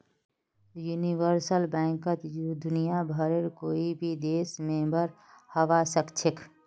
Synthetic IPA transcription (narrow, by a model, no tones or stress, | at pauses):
juːniʋəɾsəlbɛ̃ːŋkət̪jud̪ʊnijabʱəɾeɾkoːibʱid̪eːsmẽmbəɾ | həʋasəkt͡ʃʰek